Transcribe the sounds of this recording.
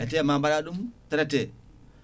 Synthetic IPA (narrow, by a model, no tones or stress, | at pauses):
etemabaɾaɗumteɾete